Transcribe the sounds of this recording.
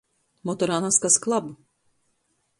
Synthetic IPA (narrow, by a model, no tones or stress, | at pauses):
mɔt̪ɔɾanaskasklˠab